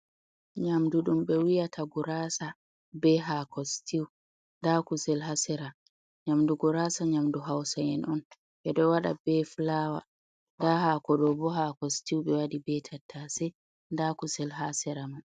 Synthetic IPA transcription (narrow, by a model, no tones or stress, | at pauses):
ɲamduɗumɓɛwijatʰaɡuɾasa | bɛɦakʰɔstʰiw | ndakusɛlɦasɛɾa | ɲamduɡɔɾasaɲamduɦawsajɛnʔɔn | ʔɛɗɔwaɗa̰bɛflawa̰ | ndahakɔɗɔbɔɦakɔstiwɓɛwadibɛtʰatʰːasɛ | ndakusɛlɦasɛɾaman